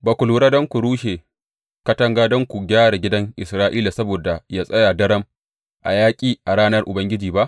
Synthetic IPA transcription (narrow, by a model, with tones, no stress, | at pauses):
baː˨kʷʊ˨luː˨ɽaː˦dɔ˦ŋkʷu˨ɽuː˦ʃeː˨ | kɐ˦tɐ˦ŋɡaː˦dɔ˦ŋkʷu˨ɡʲaː˦ɽa˨ɡʲɪ˦dɐ˦ŋʔɪ̰˨sɾaː˦ʔiː˦la˨sɐ˦boː˨da˨jaː˦sʼɐ˦ja˨dɐ˦ɽɐ˦m | ʔa̰˨jaː˦kʲʼiː˦ʔa˨ɽaː˦nɐ˦rʔʊ˨bɐ˦ŋɡʲɪ˦d͡ʒiː˨ba˦ʔ